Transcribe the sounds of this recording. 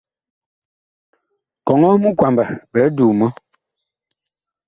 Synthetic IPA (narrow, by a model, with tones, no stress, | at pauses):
kɔ˨ŋɔ˦mu˦kwa˨mbə˨bɛ˨˦duː˨mɔ˦